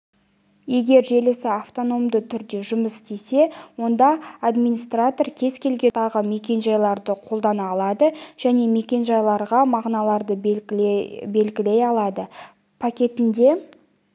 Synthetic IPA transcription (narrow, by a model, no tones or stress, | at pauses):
je̞ɡʲe̞ɾʒe̞lɪsɪaft̪o̞no̞md̪ət̪ʰʏɾd̪e̞ʒʊməst̪e̞se̞wo̞nd̪ɑːd̪mijnist̪rat̪o̞rkʲʰe̞zkʲʰe̞lɡʲe̞t̪ʰɑʁəme̞kʲe̞nʒɑjlˠɑɾd̪əqʰo̞lˠd̪ɑnɑːlˠɑd̪əʒ̥æne̞me̞kʲe̞nʒɑjlˠɑɾʁɑmɑʁnɑlˠɑɾd̪ə | be̞lɡʲɪle̞jɑlˠɑd̪ə | pʰakʲe̞t̪ɪnd̪e̞